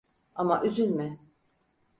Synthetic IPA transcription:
amaʔyzynmɪ

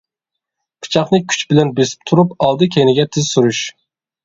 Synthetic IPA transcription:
pʰɨ̥t͡ʃʰɑχnɨkʲʰy̥t͡ʃbɪlɛnbesɪ̥p̚t̪ʰuɾupɑlˠd̪ɨkʲʰejnɪɡʲɛt̪ʰɪzsuɾuʃ

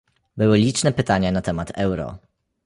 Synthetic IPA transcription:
bɘwɘlʲit͡ʂnɛpɘt̪aɲanat̪ɛmat̪ʰɛwɾɔ̰

